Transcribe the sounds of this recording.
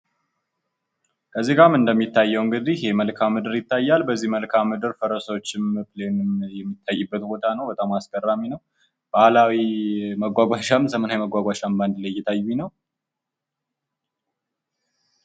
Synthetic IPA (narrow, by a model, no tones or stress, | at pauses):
kʰəziɡamɨnd̪əmːit̪ːajːɛwɨŋɡɨd̪ihe̞məlkʰamɨd̪ɨɾjɪt̪ʰːajːalbəzːihməlkʰamːɨd̪ɨɾfəɾəsəwot͡ʃːɪmɨplenɨmjɛmːit̪ʰːajːɨbːət̪bo̞t̪ʰanəwbət̪ʼamaskʰʼərːaminəw | b̥ahlawiməɡʷaɡʷaʃamsəmənawjməɡʷaɡʷaʃamband̪lajjɛt̪ʰajːunəw